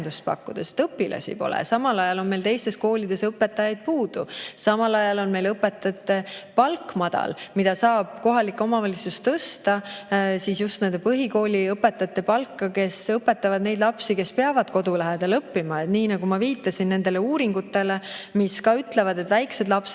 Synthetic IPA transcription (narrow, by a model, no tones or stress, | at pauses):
nd̪ust̪̚pɑ̰kˑːud̪̥est̪ɤpːilɑ̰sḭpo̞̰lḛsɑmɑlɑjɑlo̞nme̞jlt̪e̞jst̪e̞sko̞ːlid̪̥e̞sɤpːˑe̞t̪ːˑɑjɑjd̪̥̚puːd̪̥usɑmɑlɑjɑlo̞nme̞jlɤpːˑe̞t̪ːˑɑt̪ːˑepɑlkmɑd̪̥ɑ̰lmid̪̥ɑsɑːb̥ko̞ɦɑlikːo̞mɑvɑlit̪sust̪ɤst̪ɑsiːsjust̪ne̞nd̪epɤɦiko̞ːlʲiɤpːe̞t̪ːˑɑt̪ːˑe̞pɑlkːɑke̞sɤpːˑe̞t̪ːˑɑvɑd̪̥ne̞jd̪lɑpsike̞speɑvɑd̪̥ko̞d̪̥ulæɦed̪̥ɑlɤpːimɑet̪niːnɑɡ̥umɑviːt̪ːˑɑsinːe̞nd̪̥e̞le̞uːɾiŋɡ̥ut̪ːˑe̞lemiskɑyt̪le̞vɑd̪e̞t̪væjkse̞d̪lɑps